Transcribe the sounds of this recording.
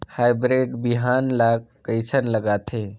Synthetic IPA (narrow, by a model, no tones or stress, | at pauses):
hajbɾeɖbiɦanlak̚kːəjt͡ʃʰənləɡat̪ʰe